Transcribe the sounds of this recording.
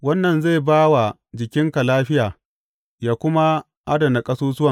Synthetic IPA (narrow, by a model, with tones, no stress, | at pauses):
wɐ˦nːɐ˨nze˦˨baː˦wa˨ | d͡ʒɪ˨kʲɪ˦ŋka˨laː˦ɸɪ˦jaː˨ | jaː˦˨kʷʊ˦ma˦ | ʔa˦dɐ˨na˨kʼɐ˦soː˦sʊ˦wɐ˨